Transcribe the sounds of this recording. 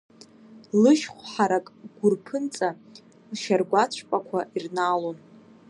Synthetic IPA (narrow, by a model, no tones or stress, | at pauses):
lɨʃχʷħaɾakʼɡʷʊrpʰɨnt͡sʼa | lʃarɡʷat͡ɕʷʰpʼakʷʰaʔirnalon